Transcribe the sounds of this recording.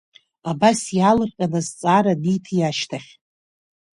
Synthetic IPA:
abasjalɨrqʲʼanazt͡sʼaɾanitʰjaʃtʰaχʲ

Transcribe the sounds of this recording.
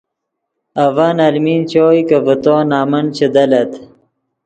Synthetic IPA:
ɐvanɐlmiːnt͡ɕoːjkɐvət̪oːnaːmɐnt͡ɕed̪ɐlɐt̪

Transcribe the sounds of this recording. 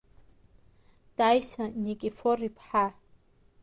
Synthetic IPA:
d̥ajsanikʼiforipʰħa

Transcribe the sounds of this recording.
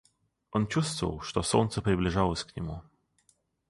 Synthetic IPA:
ʔɔnt͡ɕust̪vɔ̰wʂt̪ɔswɔnt̪sɛprɘblʲiʐawɔsʲkɲɛmu

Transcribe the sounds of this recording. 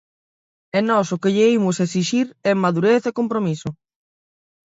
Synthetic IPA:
enɔsokeʎeimʊsesiʃiɾɛmaðuɾeθekompɾomisʊ

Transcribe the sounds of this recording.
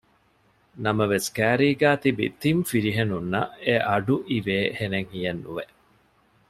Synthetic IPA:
nɐmɐʋeskæːɾiːɡæːt̪ibḭt̪imfiɾiɦenunːɐʔeʔɐɖuʔiʋeːheneŋhijɐnːṵʋe

